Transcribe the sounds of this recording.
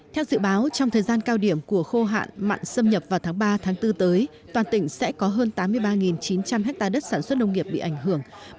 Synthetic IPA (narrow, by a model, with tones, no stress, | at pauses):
t̪ʰɛ˧wzɨ̰˧˨ɓaː˨˦wt͡ɕɔ˧wŋ͡mt̪ʰəː˨˩jzaː˧nkaː˧wɗi˧˩əmku˧˩əxo˧ɦa̰ː˧˨nma̰ː˧˨nsə˧mɲə˨˩p̚vaː˨˩t̪ʰaː˨˦ŋɓaː˧t̪ʰaː˨˦ŋt̪ɨ˧t̪əː˨˦j | t̪waː˨˩nt̪ï˧˩ŋ̟sɛ̰˧˥kɔ˨˦ɦəː˧nt̪aː˨˦mːɨ˧əjɓaː˧ŋi˨˩nt͡ɕi˨˦nt͡ɕa˧mhɦɛ˦˥k̚t̪aː˧ɗə˦˥t̚saː˧˩nswə˦˥t̚nə˧wŋ͡mŋi˨˩əp̚ɓḭ˧˨ʔa˧˩jŋ̟ɦɨ˧˩əŋ